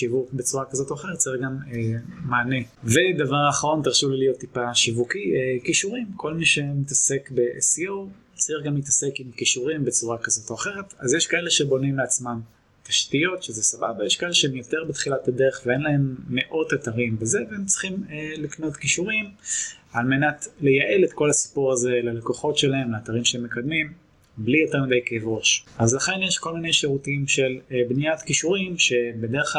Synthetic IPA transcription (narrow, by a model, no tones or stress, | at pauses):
ʃivukbet͡suʁakazo̞toaχe̞ʁt̚t͡saiχɡamemaːne̞vedavaʁaːχaʁo̞nt̪iʁʃulilijo̞t̪ːipaʃivukiekiʃuʁimkʰo̞lmiʃemitase̞kbe̞ʔesio | t͡saiχɡamlitasekimkiʃuʁimbet͡suʁakazo̞toaχe̞ʁe̞tazjeʃkaele̞ʃebo̞nimleat͡smam | taʃtijo̞tʃezesababajeʃkaeleʃeemjoteʁbet̪χilatade̞ʁeχveenlae̞mːe̞ʔo̞tataʁimbezeveemt͡si̥χimlikno̞tkiʃuʁimalme̞natle̞jaʔe̞letko̞lasi̥puʁaze̞lalekoχo̞tʃelae̞mlaːtaʁimʃeemːekad̪mim | blijo̞teʁmidejkevʁo̞ʃazlaχe̞njeʃko̞lmine̞jʃeʁutiimʃelbnijatkiʃuʁimʃe̞bedeʁeχ